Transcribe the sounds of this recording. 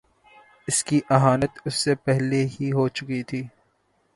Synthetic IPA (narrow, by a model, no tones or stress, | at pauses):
ɪskiʔɐɦaːnət̪ʊsːepɛɦlehiɦot͡ʃʊkit̪ʰiː